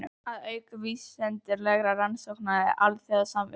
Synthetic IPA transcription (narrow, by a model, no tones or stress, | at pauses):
ʏaðœːɥkaviːsɛnt̪ɪɾlɛɣɾaransowknaɛ̰ɾʔalθjaðasamvɪ̰